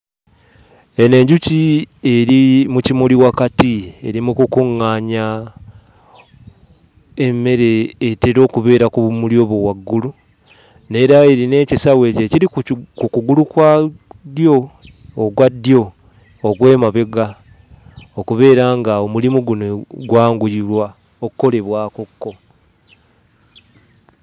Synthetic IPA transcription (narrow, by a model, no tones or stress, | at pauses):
e̞ne̞ɲɟucie̞ɾimucimuliwakatie̞ɾimukukuŋːaːɲa | e̞mːe̞ɾe̞ːteɾo̞ːkuβe̞ːɾakuβumuljo̞ːβowaɡːulu | ne̞ɾae̞ɾine̞ːcisawe̞ce̞ciɾikukuɡulukwadjo̞ː | ɡwadːjo̞ː | ɡwe̞ːmaβe̞ɡa | okuβe̞ːɾaŋɡaomulimuɡunoɡwaːŋɡuilwa | okukːo̞le̞βwaːkokːo̞